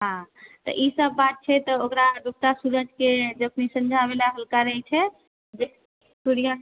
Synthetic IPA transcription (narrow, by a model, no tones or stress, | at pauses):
ɦãt̪ɔ̰ʔisəbːat̪̚t͡ʃʰɛt̪ɔokɾaɖuk̚t̪asuɾəd͡ʒʱked͡ʒepnisənd͡ʒʱabelaɦəlkaɾəɦɛt͡ʃʰɛ | d͡ʒe | suɽija